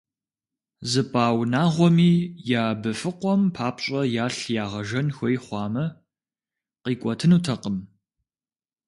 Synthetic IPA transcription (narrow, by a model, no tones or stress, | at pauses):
zɨpʼaːwnaːʁʷɔmiːjaːbɨfɨqʷɔmpʰaːpɕʼɐjaːɬjaːʁɐʒɐnxʷɔjχʷɑːmɐ | qiːkʷʼɔtʰɨnuːtʰɐqəm